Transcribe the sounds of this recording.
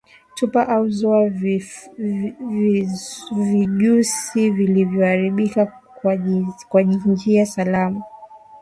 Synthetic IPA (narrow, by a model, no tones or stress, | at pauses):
tupaʔauzɔa | viʄusivilivjɔhaɾiɓika | kwaʄiɲd͡ʒiasalama